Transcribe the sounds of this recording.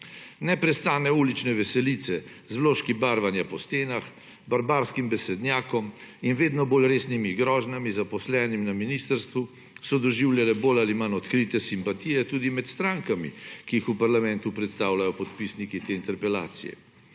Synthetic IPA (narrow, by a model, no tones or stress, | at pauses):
nɛpɾɛst̪aːnɛuːlit͡ʃnɛʋɛsɛliːt̪sɛ | zwloʃkibaːɾʋanjapɔst̪eːnax | baɾbaɾskimbɛsɛd̪njaːkɔminʋeːd̪nɔboːlɾeːsnimiɡɾɔːʒnamizapɔslɛːnimnaminist̪əɾst̪ʋu | sɔd̪ɔʒiwljalɛboːlalimanɔt̪kɾiːt̪ɛsimpat̪ijɛt̪uːd̪imɛt̪st̪ɾaŋkamḭkijixupaɾlamɛnt̪upɾɛt̪st̪aːwlajɔpɔt̪pisnikit̪eːint̪ɛɾpɛla̰ːt̪sḭjɛ̰